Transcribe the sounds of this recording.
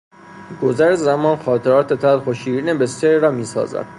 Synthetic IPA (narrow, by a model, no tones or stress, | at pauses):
ɡ̥ozæɾezæmɒːnxɒːt̪ʰeɾɒːt̪ʰe̞t̪ʰælxoʃiːɾiːnebeseɾɾɒːmiːsɒ̰ːzæ̰d̪̥